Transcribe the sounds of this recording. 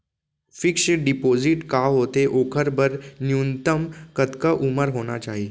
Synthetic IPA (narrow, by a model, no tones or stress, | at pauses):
fikʂəɖipod͡ziʈkaɦot̪eʔokʰəɾbəɾnjunt̪əmkət̪kəʔuməɾɦoɽ̃a̰t͡ɕaɦi